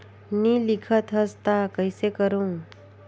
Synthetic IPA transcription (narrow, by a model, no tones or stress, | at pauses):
nilikʰət̪ɦəst̪akəjsekəɾũ